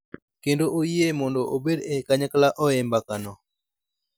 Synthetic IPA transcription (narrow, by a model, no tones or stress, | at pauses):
kendoʔojiemɔndoʔobedekaɲaklaʔɔɛmbakanɔ